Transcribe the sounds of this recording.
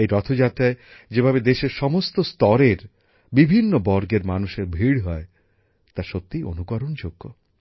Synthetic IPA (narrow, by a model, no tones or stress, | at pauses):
ejɾɔt̪ʰod͡ʑat̪ːɾaed͡ʑebʱabed̪eʃeɾʃɔmost̪ost̪ɔɾeɾ | bibʱinːobɔɾɡeɾmanuʃeɾbʱiɽɦɔe | t̪aɾʃot̪ːijʔo̰nukɔɾond͡ʑoɡːo̰